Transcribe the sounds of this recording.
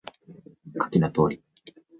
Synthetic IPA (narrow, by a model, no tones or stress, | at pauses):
kḁkʲinat̪o̞ːɾʲi